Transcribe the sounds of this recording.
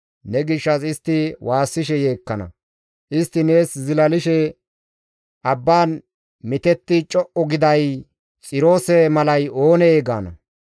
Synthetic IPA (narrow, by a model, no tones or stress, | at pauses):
nɛɡɪʃːɐsɪst̪ːɪwaːsːɪʃɛje̞ːkːɐnɐ̰ | ʔɪst̪ːɪne̞ːszɪlɐlɪʃɛ | ʔɐbːaːn | mɪt̪ɛt̪ːɪt͡ʃʼɔʔɔɡɪd̪ɐj | t͡sʼɪɾo̞ːsɛmɐlɐjo̞ːnɛeːɡa̰ːnɐ̰